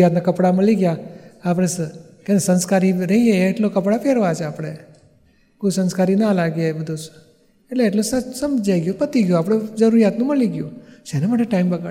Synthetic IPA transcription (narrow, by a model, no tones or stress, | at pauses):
jat̪nakəpɽaməliɡjaːp̬ɽ̃es | kenesənskaɾiɾəɦieːʈlokəpɽapɛɾʋat͡ʃʰeapɽ̃e | kosə̃nskaɾinalaɡjebəd̪ʱus | eʈleːʈlosəsəmd͡ʒajɡjũpət̪iɡjũapɽ̃ed͡ʒəɾuɾijat̪nũməliɡjũʃenemaʈeʈaimbəɡa